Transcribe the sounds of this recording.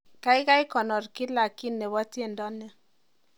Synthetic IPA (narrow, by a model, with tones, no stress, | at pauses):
ka˦i˦ka˦i˦kɔ˨nɔ˨ɾki˦la˨ki˦nːe˨βɔ˦ti˦e˦˨ndɔ˦nːɛ˦